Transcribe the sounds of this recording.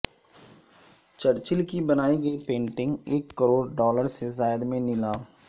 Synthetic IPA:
t͡ʃəɽt͡ʃɪlkibɐnaːiɡəipẽːɳʈɪ̃ŋɡeːkːəɾoːɽɖɔːləɾsezaːjd̪mẽnɪlaː

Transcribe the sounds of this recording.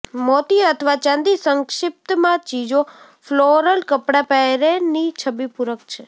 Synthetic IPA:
mɔt̪iət̪ʰəʋat͡ʃãnd̪isəŋkʃɪp̚t̪mãt͡ʃid͡ʒo | floɾəlkəpɽapɛɾenit͡ʃʰəbipuɾəkt͡ʃʰe

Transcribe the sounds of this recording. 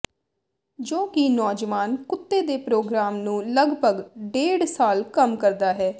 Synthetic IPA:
d͡ʒoːkɪnɔːd͡ʒʋaːnkʊt̪ːeːd̪eːpɾoːɡɾaːmnũːləɡbʱəɡɖeːɽsaːlkəmkəɾd̪aːɦɛː

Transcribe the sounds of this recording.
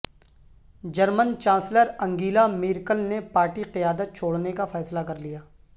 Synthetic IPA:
d͡ʒəɾmənt͡ʃãːnsləɾɐ̃ŋɡiːlamiːɾkəlnepaːɾʈiqɪjaːd̪ət̪̚t͡ʃʰoːɽnekafɛːslakɐɾlijaː

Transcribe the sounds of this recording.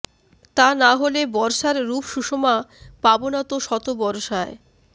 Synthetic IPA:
t̪anaɦolebɔɾʃaɾɾupʃuʃomapabonat̪oʃɔt̪obɔɾʃae

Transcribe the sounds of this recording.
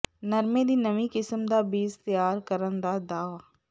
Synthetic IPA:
nəɾmẽːd̪iːnəʋiːkɪsəmd̪aːbiːzt̪ɪjaːɾkəɾənd̪aːd̪aːʋaː

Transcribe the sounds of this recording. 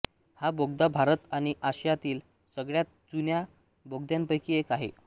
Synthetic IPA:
haboɡd̪abʱaɾət̪aɽ̃iʔaɕjat̪iːl | səɡɭjat̪̚d͡zunja | boɡd̪jampəjkiekaɦḛ

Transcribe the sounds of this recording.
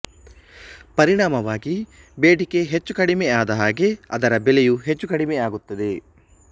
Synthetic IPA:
pɐɾiɳaːmɐʋaːɡi | beːʈike̞ɦet͡ʃːukɐɽimeaːd̪ɐɦaːɡe̞ɐd̪ɐɾɐbelejuɦet͡ʃːukɐɽimeaːɡut̪ːɐd̪e̞

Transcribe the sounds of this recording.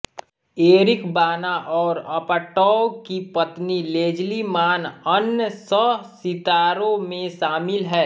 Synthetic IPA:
eːɾɪkbaːnaʔɔːɾɐpəʈɔːkipɐt̪nileːd͡ʒlimaːnənsəsɪt̪aːɾõmẽʃaːmɪlɦɛː

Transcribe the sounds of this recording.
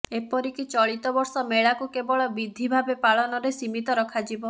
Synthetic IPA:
epɔɾikit͡ʃɔɭit̪ɔbɔɾsɔmeɭakukebɔɭɔbid̪ʱibʱabepaɭɔnɔɾesimit̪ɔɾɔkʰad͡ʒibɔ

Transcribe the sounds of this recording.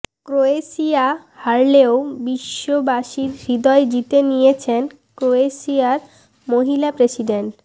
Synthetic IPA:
kɾoeʃia | haɾleobiʃːobaʃiɾɾid̪ɔed͡ʑit̪enijet͡ɕʰen | kɾoeʃiaɾ | moɦilapɾesiɖeɳʈ

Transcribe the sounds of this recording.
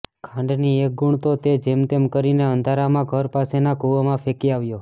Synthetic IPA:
kʰãɳɖniek̚ɡuɳt̪ot̪ed͡ʒemt̪emkəɾineənd̪ʱaɾamãɡʱəɾpasenakuʋmãfʰekiaʋjo

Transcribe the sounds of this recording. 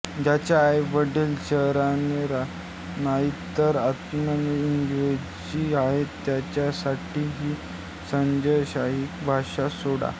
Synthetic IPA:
d͡ʑat͡ɕjaːjbəɖelɕəɦɾaneɾa | naɦit̪əɾat̪mənəinɡo | d͡ʑiaɦet̪ːjat͡ɕjasaʈiːɦiː | səɲd͡ʑəjɕaɦikbʱaɕasoɽa̰

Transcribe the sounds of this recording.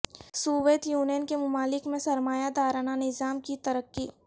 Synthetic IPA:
suːʋeːt̪juːnijənkemʊmaːlɪkmẽsɐɾmaːjad̪aːɾaːnanɪzaːmkit̪ɐɾəkːi

